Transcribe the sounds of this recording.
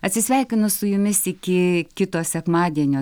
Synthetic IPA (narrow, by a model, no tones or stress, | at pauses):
ɐtʲsʲɪsʲʋʲɛɪkʲɪnʊsʊjʊmʲɪsɪkʲɪkʲɪt̪oːsʲɛkmɑːd̪ʲiɛnʲoː